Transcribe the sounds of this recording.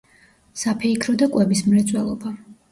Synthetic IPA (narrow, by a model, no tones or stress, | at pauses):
sapʰɛikʰɾɔd̪akʼwɛbismlɛt̪sʼwɛlˠɔba